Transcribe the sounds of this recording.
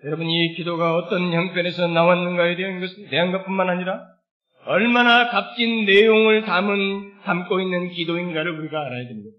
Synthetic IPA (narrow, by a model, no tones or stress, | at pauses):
jʌɾʌbɯnikidoɡaʌt͈ʌnçʌŋpʰjʌne̞sʰʌnawanːɯnɡaeteɦanɡʌsʰɯte̞ɦanɡap͈ʰunmanɦaɲiɾa | ʌɭmanakap̚t͡ɕ͈inːe̞joŋɯɭtamɯntamk͈oinːɯnkidoinɡaɾɯɭuɾiɡaːɾajadwe̞mɲida